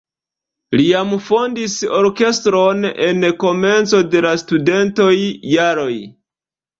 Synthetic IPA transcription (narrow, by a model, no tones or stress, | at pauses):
lijamfo̞ndiso̞ɾke̞stɾo̞ne̞nko̞me̞nt͡so̞de̞lastude̞nto̞jːaɾo̞j